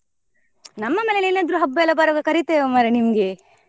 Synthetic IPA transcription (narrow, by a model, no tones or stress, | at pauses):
nɐmːɐmeːleleːnaːd̪ɾuːɦɐbːɐɛlːɐbaːɾɐːɡɐkɐɾit̪eɐmaɾɐnimɐɡe